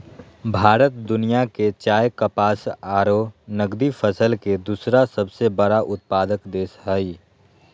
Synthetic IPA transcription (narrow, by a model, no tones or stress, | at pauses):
bʱaːɾət̪̚d̪ʊnijaket͡ʃaːjkəpaːsaːɾonəɡd̪ifʰəsəlked̪uːsɾasəbsebəɾaʔʊt̪̚paːd̪əkd̪eːsɦəi